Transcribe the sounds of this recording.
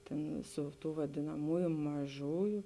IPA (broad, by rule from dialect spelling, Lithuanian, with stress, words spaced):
ˈtʲeːn ˈsʊ ˌtuː ʋɐdʲeːnɐˈmoːjʊ mɐˈʒoːjʊ